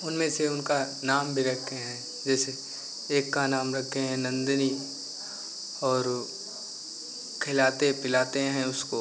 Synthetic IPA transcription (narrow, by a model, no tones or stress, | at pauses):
ʊnmẽseʊnka | naːmbʱiɾɐk̪̚ʰeɦɛ̃ː | d͡ʒɛːse | eːkːanaːmɾɐkʰːeɦɛ̃nɐ̃nd̪ni | ɔːɾ | kʰɪlaːt̪epɪlaːt̪eɦɛ̃ʊsko